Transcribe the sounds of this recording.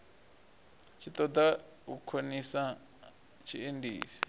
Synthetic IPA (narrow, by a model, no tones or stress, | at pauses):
t͡ʃit̪ot̪a | ukʰenĩsã | t͡ʃʰiendḭːsi̥